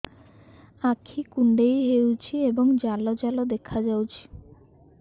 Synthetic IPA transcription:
akʰikuɳɖejɦewt͡ɕʰieboŋd͡ʑalod͡ʒalod̪ekʰad͡ʒawt͡ɕʰi̥

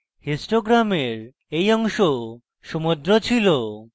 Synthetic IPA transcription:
hisʈoɡɾameɾ | ejɔŋʃo | ʃomod̪ɾot͡ɕʰilo

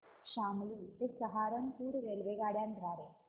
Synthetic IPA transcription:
ɕamliːt̪esəɦaɾənpuːɾɾelʋeɡaɽjant̪ɾaɾe

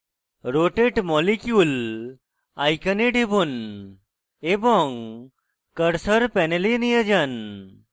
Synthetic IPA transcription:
ɾoʈeʈmɔlikjul | ajkəneɖʱebun | ebɔŋ | kəɾsəɾpɛnelinijəd͡ʒən

